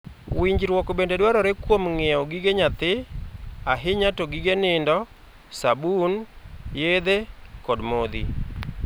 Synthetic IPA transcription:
wiɲd͡ʒɾwɔkɔbendedwaɾɔɾekwomŋɛɔɡiɡeɲat̪ɪ | aɦɪɲatoɡiɡenɪndɔ | sabunjed̪ekɔdmod̪ḭ

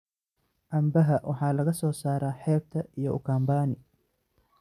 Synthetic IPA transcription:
ʔɐmbɐɦɐwʔɑħɑːlɐɣɐsɔːsaːɾaːħɛːb̚t̪ʰɐʔijɔʊkʰaːmbaːnɪ

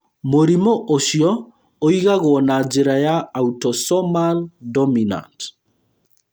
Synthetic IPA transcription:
moɾimoʔoʃjɔ | oiɣaɣwɔnad͡ʒeɾajaːutɔsɔmaldɔmina̰nt

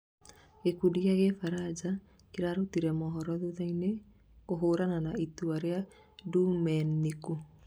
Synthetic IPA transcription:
ekudiaɣefaɾad͡ʒa | keɾaɾotiɾɛmɔɦɔɾɔðuðaine | oɦoːɾananaituaɾea | dumɛniku

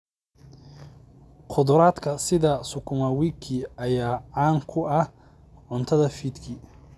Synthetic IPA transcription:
qʰʊd̪ɾaːd̪kʰɐsɪðɐsʊkʰʊmɐwiːkʰiɐjaːʕaːŋkʰʊɐ | ʕʊnt̪ʰɐðɐfiːd̪kʰi

